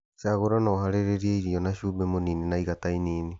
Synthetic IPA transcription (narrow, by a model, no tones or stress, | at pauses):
seaɣoɾanɔhaɾeɾeɾieiɾiɔnaʃuːbɛmoniːnenaiɣatainiːni